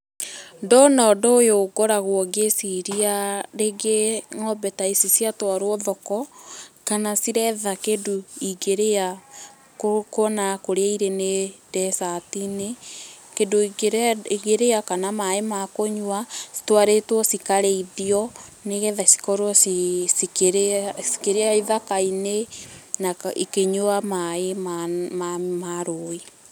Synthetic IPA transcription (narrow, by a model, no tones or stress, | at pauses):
ndɔnɔːdɔojoɡɔɾaɣwɔɡesiɾiaɾeɡeŋɔbɛtaisisjatwaɾwɔðɔkɔkanasiɾɛðakedoiɡeɾea | koknakoɾeaiɾenedɛsatinekedoiiɣeɾeakanamaemakoɲwasi̥twaɾetwɔsikaɾeiðiɔneɣɛðasi̥kɔɾwɔsisikeɾesi̥keɾeaiðakainenaikeɲoamaemamamaɾoi